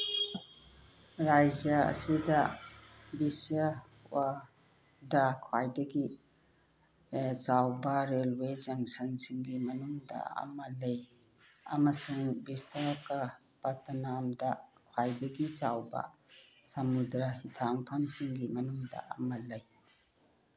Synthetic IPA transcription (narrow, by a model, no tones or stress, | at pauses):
ɾajd͡ʒjɐɐ̰sidɐ | bisa | wa | dɐkʰwajdɐɡi | t͡ʃawbɐɾelwezɐŋsɐŋsiŋɡimɐnuŋdɐ̰ɐ̰mɐlej | ɐ̰mɐsuŋbisɐkɐ | pɐtɐnamdɐkʰwajdɐɡit͡ʃawbɐ̰ | sɐmudɾɐhitʰaŋpʰɐmsiŋɡimɐnuŋdɐ̰ʔɐ̰mɐlɐj